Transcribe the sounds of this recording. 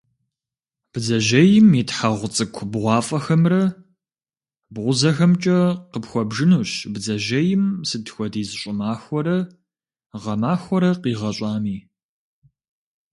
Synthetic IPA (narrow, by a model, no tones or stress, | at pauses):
b̥zɐʒɐjɪmitħaʁʷʊt͡sʼɨkʷʰbʁʷɑːfʼɐxɐmrɐ | bʁʷʊzɐxɐmt͡ʃʼɐqəpxʷɔbʒɨnuɕbzɐʒɐjɪmsɨtxʷɔdiːzɨɕʷʼɪmaːxʷɔɾɐ | ʁɐmaːxʷɔɾɐqiːʁɐɕʼaːmiː